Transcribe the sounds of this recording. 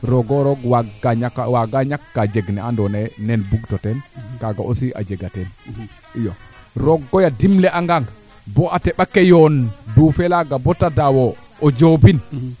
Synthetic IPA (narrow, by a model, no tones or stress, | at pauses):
ɾɔɡɔɾɔɡwaɡaaawaɡaɲakːad͡ʒɛɡnɛandɔnɛnɛnbuɡtɔtɛnkaɡa̰ʔosiʔa̰d͡ʒɛɡatɛn | ijɔɾɔɡːɔjadimlɛʔaŋɡaŋ | bɔʔatɛɓakɛjɔndufɛlaɡabɔtadawɔ | ɔd͡ʒobin